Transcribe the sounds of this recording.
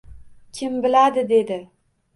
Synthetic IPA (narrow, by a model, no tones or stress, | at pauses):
kʲʰɪmbɪlad̪ɪd̪e̞d̪ɪ